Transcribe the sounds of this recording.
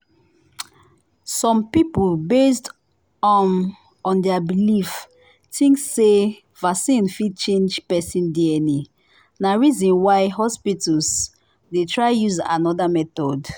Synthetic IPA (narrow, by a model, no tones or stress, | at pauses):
sɔ̃mpipulbest | ɔn | ɔ̃ndɛabilif | tʰĩŋksːe | vasĩnfid̚t͡ʃẽnd͡ʒpɛsĩndiɛni | naɹizɔ̃nwaɪɦɔspitals | detʰɹaɪjuza̰nɔdamɛtɔd